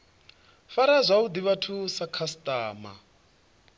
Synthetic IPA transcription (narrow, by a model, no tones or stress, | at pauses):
faɾazʷaud̪iβatʰusakʰastʼaːma̰